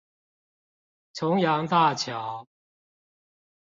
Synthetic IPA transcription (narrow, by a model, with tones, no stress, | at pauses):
t͡sʰʊ˨˦ŋjɑ˨˧˥ŋt̪a˥˩t͡ɕʰjɑ˨˦ʊ